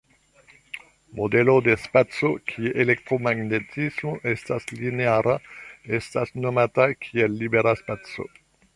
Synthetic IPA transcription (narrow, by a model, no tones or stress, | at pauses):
mo̞de̞lo̞de̞spat͡so̞kʰieʔelekt̪ɾo̞maɡne̞tʰismoʔe̞staslineaɾʔaestasno̞matakʰielːibeɾaspat͡so̞̰